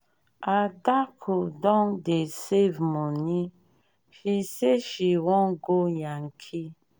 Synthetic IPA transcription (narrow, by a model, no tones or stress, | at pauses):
adakʰudɔŋdesevmoni | ʃiseʃiwɔŋɡojaŋkʰi